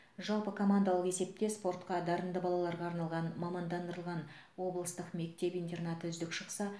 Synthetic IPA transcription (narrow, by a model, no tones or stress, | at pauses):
ʒɑlˠpəkʰo̞mand̪alˠəqe̞se̞p̚t̪e̞spo̞rt̪qɑd̪ɑɾənd̪əbɑlˠɑlˠɑɾʁɑːɾnɑlˠʁɑnmɑmɑnd̪ɑnd̪əɾəlˠʁɑn | wo̞blˠəst̪əqme̞k̚t̪e̞pijnt̪e̞rnat̪əʏzd̪ɪkʃəqsɑ